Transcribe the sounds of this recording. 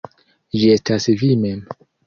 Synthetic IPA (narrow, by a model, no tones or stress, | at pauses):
d͡ʒiestasvimem